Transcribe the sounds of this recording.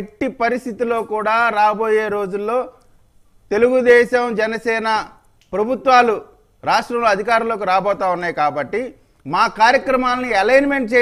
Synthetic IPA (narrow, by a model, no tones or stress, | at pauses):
ʈːipɐɾist̪it̪ilo̞ːkuːɽaːɾaːbo̞ːje̞ːɾo̞ːd͡ʒulːo̞ː | t̪e̞luɡud̪ɛːʃɐmd͡ʒɛnɐsɛːnɐ | pɾɐbʱut̪ʋaːlu | ɾaːʂʈɾɐmloːɐd̪ʱikaːɾunlo̞ːkuɾaːbɔːt̪aːunːaːjkaːbɐʈːi | maːkaːɾjɐkɾɐmaːlɐniɐlɐjnme̞ɳʈ̚t͡ʃeː